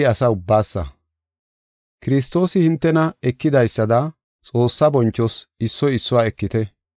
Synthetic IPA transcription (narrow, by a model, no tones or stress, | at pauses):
ɪɐsɐʊbːaːsːɐ̰ | kɪɾɪs̬t̪o̞ːsɪhɪnt̪ːɛnɐɛkːɪd̪ɐjsːɐd̪ɐ | t͡sʼo̞ːsːɐbɔnt͡ʃːɔsɪsːɔjɪsːʊwaːɛkːɪt̪ɛ